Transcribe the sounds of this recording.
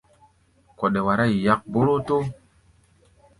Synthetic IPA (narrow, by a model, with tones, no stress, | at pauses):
ko˨ɗe˨wa˨ɾa˦˨i˨ja˦k̚bo˦ɾo˦to˦